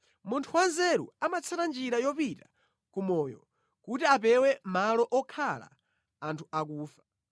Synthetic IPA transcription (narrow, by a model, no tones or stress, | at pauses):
muntʰuwanzɛɾṵamat͡sʰaɾand͡ʒiɾajɔpita | kumɔjɔ̰ | kutiapɛwɛmalɔʔɔkʰala̰ | antʰuak̬uːfḁ